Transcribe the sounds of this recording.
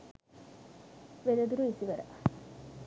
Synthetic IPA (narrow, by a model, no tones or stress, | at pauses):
ʋelɐd̪uɾuisiʋɐɾɐ̰